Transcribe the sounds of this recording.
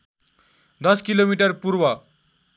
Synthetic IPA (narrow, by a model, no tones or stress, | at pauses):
d̪ʌskilomiʈəɾpuɾwa